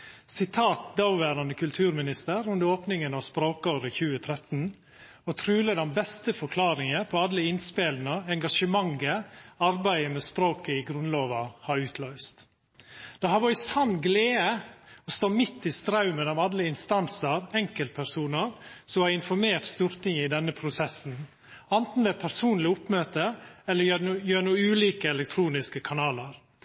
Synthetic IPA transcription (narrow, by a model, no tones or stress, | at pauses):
sɪt̪ʰɑːt̪̚d̪ɑʊʋæːɾɑnəkʰʉlt̪ʰʉːɾmɪnɪst̪əɾʉnd̪əoːpnɪŋənɑʋspɾoːkoːɾəçʉːət̪ʰɾɛt̪n̩ | ɔt̪ʰɾʉːləd̪ɛnbɛst̪əfɔkʰlɑːɾɪŋəpʰɔɑd̪ləɪnspeːlnɑɛŋɡɑʂəmɑŋəɑɾbæɪəmɛspɾoːkəɪɡɾʉnloːʋɑhɑɾʉːt̪ʰlœʏst̪ | d̪̥ɛhɑʋɑɾɪsɑnɡleːəɔst̪oːmɪt̪ːɪst̪ɾɑʉmɛlɔmɑd̪ləɪnst̪ɑnsəɾɛŋkəlt̪̚pʰæɾsuːnəɾsɔmæɾɪnfɔɾmeːɾʈ̪st̪uːɾt̪ɪŋəɪd̪ɛnːəpʰɾʊsɛsn̩ | ɛnt̪n̩d̪ɛpʰæɾsuːnlɪʊpmøːt̪əɛlːəjøːnuːʉːliːkəɛlɛk̚t̪ʰɾuːnɪskəkʰɑnɑːləɾ